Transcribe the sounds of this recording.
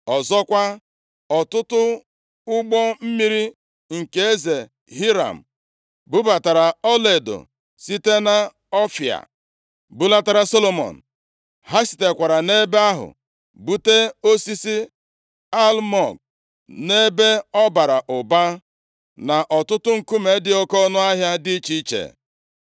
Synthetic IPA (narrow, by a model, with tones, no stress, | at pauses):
ɔ˨zɔ˦kʷa˦ | ɔ˨tʊ˦tʊ˦ | ʊ˦ɡ͡bɔ˦m̩˦mi˦ɾi˦ | ŋ̩˨ke˨e˦ze˨ | ɦi˦ɾa̰˨m̩˨ | bu˦ba˨ta˨ɾa˨ɔ˦le˨do̰˨ | si˦te˦na˨ | ɔ˦fja̰˨ | bʊ˦la˦ta˦ɾa˨so˦lo˨mɔ̰˨n̩˨ | ha˦si̥˨te˨kʷa˨ɾa˨ne˦be˦a˦ɦʊ̰˨ | bu˦te˦o˦si˦si˦ | a˦lmɔ˨k̚ | ne˦be˦ɔ˦ba˨ɾa˨ʔʊ˨ba˦ | na˨ʔɔ˨tʊ˦tʊ˦ŋ̩˨ku˦me˨˦dɪ˦o˦kɔ˦nʊ˦a˦ɦja˦dɪ˦t͡ʃi˦t͡ʃḛ˨